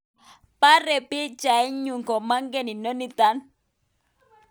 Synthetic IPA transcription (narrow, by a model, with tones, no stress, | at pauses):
pa˦ɾɛ˨pi˦t͡ʃa˨ɛ˦ɲu˨ŋkɔ˨ma˦ŋɡe˦˨ni˨no˦ni˦t̪a˦n